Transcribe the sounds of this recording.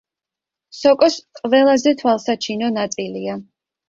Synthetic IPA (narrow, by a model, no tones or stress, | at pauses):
sɔkʼɔsqʼvɛlˠazɛt̪ʰwalˠsat͡ʃʰinɔnat̪sʼilia